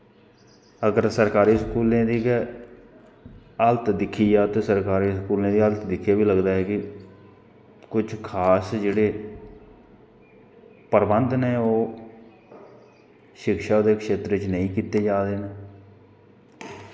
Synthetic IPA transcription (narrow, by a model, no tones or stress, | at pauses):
əɡəɾsəɾkaːɾiːskuːlẽːd̪iːɡ | əlt̪d̪ɪkʰːiːjaːt̪eːsəɾkaːɾiːskuːlẽːd̪iːəlt̪d̪ɪkʰjaːbiːləɡd̪aːɦɛːkɪ | kʊt͡ʃʰkʰaːsd͡ʒeːɽeː | pəɾbənd̪neːoː | ʃɪkʃaːd̪eːkʃeːt̪ɾɪt͡ʃnəĩːkiːt̪eːd͡ʒaːd̪eːneː